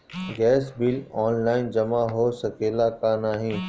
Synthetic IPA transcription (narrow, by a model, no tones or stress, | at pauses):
ɡɛːsbɪlɔːnlaːɪnd͡ʒɐmaɦoːsɐkeːlakanaːɦĩː